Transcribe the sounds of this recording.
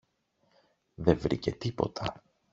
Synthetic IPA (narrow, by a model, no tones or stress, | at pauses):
ðe̞vɾḭce̞t̪ipo̞̰t̪ʰɐ